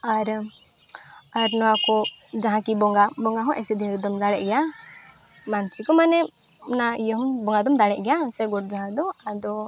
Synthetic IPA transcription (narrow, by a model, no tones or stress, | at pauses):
aɾ | aɾnɔwakɔ | d͡ʒaɦãkibɔŋɡabɔŋɡaɦɔ̃ʔɛsid̪iɾid̪ɔmd̪aɽɛʔɡɛa | mant͡ʃikɔmanɛ | naijɔɦɔmbɔŋɡad̪ɔmd̪aɽɛʔɡɛjasɛɡɔʈ̚d͡ʒɔɦãd̪ɔad̪ɔ